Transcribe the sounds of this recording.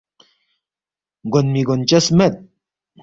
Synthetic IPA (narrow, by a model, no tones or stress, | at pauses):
ɢonmiɡont͡ʃasmat̪̚